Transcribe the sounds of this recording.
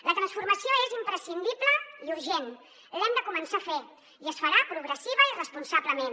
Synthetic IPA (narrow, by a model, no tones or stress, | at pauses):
lət̪ɾansfuɾməsioezimpɾəsind̪iβləiuɾʒen | lɛmd̪əkumənsafe | iəsfəɾapɾuɣ̞ɾəsiβəirəspunsaβləmen